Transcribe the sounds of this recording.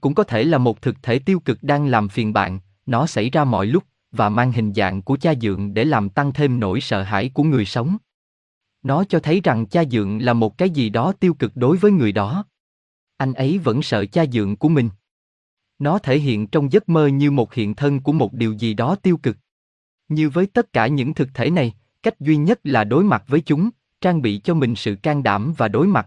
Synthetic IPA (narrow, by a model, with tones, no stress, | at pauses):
kʊ̰˧˥ŋ͡mkɔ˨˦t̪ʰe˧˩laː˨˩mo˨˩t̚t̪ʰɨ˨˩k̚t̪ʰe˧˩t̪i˧əwkɨ˨˩k̚ɗaː˧ŋlaː˨˩mfi˨˩nɓa̰ː˧˨n | nɔ˨˦sa˧˩jzaː˧mɔ̰˧˨jlʊ˦˥k͡p̚ | vaː˨˩maː˧ŋɦï˨˩ŋ̟za̰ː˧˨ŋku˧˩ət͡ɕaː˧zɨ̰˧˨əŋɗe˧˩laː˨˩mt̪a˧ŋt̪ʰe˧mno̰˧˩jsə̰ː˧˨ɦa̰ː˧˩jku˧˩əŋɨ˨˩əjsə˨˦wŋ͡m | nɔ˨˦t͡ɕɔ˧t̪ʰə˨˦jza˨˩ŋt͡ɕaː˧zɨ̰˧˨əŋlaː˨˩mo˨˩t̚kaː˨˦jzi˨˩ɗɔ˨˦t̪i˧əwkɨ˨˩k̚ɗo˨˦jvəː˨˦jŋɨ˨˩əjɗɔ˨˦ | ʔa˧jŋ̟ʔə˨˦jvə̰˧˥nsə̰ː˧˨t͡ɕaː˧zɨ̰˧˨əŋku˧˩əmï˨˩ŋ̟ | nɔ˨˦t̪ʰe˧˩ɦḭ˧˨ənt͡ɕɔ˧wŋ͡mzə˦˥t̚məː˧ɲɨ˧mo˨˩t̚hḭ˧˨ənt̪ʰə˧nku˧˩əmo˨˩t̚ɗi˨˩əwzi˨˩ɗɔ˨˦t̪i˧əwkɨ˨˩k̚ | ɲɨ˧vəː˨˦jt̪ə˦˥t̚kaː˧˩ɲɨ̰˧˥ŋt̪ʰɨ˨˩k̚t̪ʰe˧˩na˨˩j | ka˦˥jk̟̚zwi˧ɲə˦˥t̚laː˨˩ɗo˨˦jma˨˩t̚vəː˨˦jt͡ɕʊ˨˦ŋ͡m | t͡ɕaː˧ŋɓḭ˧˨t͡ɕɔ˧mï˨˩ŋ̟sɨ̰˧˨kaː˧ŋɗa̰ː˧˩mvaː˨˩ɗo˨˦jma˨˩t̚